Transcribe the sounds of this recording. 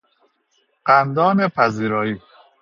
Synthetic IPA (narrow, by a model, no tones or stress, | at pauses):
ɢ̥ænd̪ɒːnepʰæziːɾɒːiː